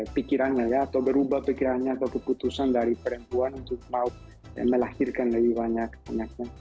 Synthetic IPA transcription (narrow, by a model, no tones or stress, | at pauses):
pikiɾaɲajat̪obeɾubapikiɾaɲat̪okeput̪usand̪aɾipɾent̪uanunt̪ukmaw | ḛmelahiɾkanleiβaɲakaɲakan